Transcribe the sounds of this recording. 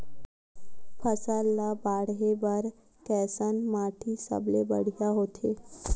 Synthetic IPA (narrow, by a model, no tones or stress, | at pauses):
pʰəsalːabaːɽɦebəɾ | kɛːsənmaːʈʰisə̰blebəɽ̤ijaɦoːt̪ʰeː